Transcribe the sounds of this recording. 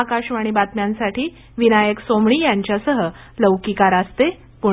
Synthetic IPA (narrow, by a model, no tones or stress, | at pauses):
akaɕʋaɽ̃ibat̪mjãnsaʈiː | ʋinajəksomɳiːjaɲt͡ɕjasəɦə | ləʋkikaɾast̪e | pu